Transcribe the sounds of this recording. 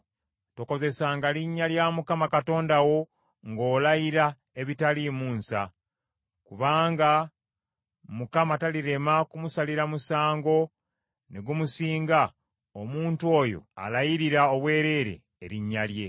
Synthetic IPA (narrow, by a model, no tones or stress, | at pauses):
toko̞zesaːŋɡaliɲːaljamukamakato̞ːndawo̞ | ŋɡo̞ːlajiɾa | e̞βitalimuːnsa̰ | kuβaːŋɡa | mukamataliɾe̞makumusaliɾamusaːŋɡo̞ | neɡumusiːŋɡa | omuːntuo̞ːjo̞̰a̰lajiɾiɾaoβwe̞ːɾe̞ːɾe̞̰ːɾiɲːalje̞